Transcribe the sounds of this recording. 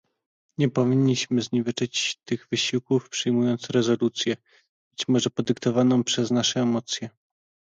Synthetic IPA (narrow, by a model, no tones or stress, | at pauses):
ɲɛpɔvʲiɲːiɕmɘzɲivɘt͡ʂɘt͡ɕt̪ɘɣvɘɕiwkufpʂɘjmujɔnt̪sɾɛzɔlut̪sʲjɛ | b̥ɘt͡ɕmɔʐɛpɔd̪ɘkt̪ɔvanɔ̃w̃pʂɛznaʂɛːmɔt̪sʲjɛ